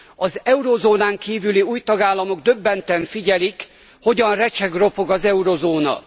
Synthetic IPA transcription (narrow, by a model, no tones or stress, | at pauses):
ɒzɛuɾoːzoːnaːŋkiːvyliuːjt̪ɒɡaːlːɒmo̞ɡd̪ø̞bːɛnt̪ɛɱfiɟɛlik | ho̞ɟɒnrɛt͡ʃɛɡro̞po̞ɡɒzɛuɾozoːnɒ̰